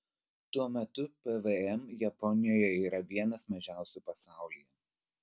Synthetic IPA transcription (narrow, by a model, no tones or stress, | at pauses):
t̪uɔmʲɛt̪ʊpɛʋeɛmjɛpɔnʲɪjoːjɛiːɾɐʋʲiɛnɐsmɐʒʲæˑʊsʲuˑpɐsɑˑʊlʲijɛ